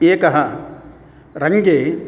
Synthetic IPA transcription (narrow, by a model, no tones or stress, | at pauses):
eːkɐɦɐ | ɾɐŋɡeː